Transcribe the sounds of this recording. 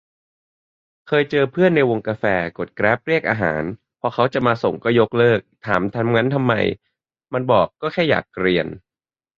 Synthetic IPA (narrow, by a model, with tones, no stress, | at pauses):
kʰɤː˧jt͡ɕɤː˧pʰɯ˥˩ənːa˧jwo˧ŋkaː˧fɛː˧ko˨˩t̪̚kɾɛː˦˥p̚ɾi˥˩ək̚ʔaː˧ɦa̰ː˩˦n | pʰɔː˧kʰa˦˥wt͡ɕa˨˩maː˧so˨˩ŋkɔː˥˩jo˦˥k̚lɤː˥˩k̚t̪ʰaː˩˦mt̪ʰa˧˥˩mŋa˦˥nt̪ʰa˧mːa̰˧j | ma˧nbɔː˨˩kːɔː˥˩kʰɛː˥˩ja̰ː˨˩k̚ɾi˧ən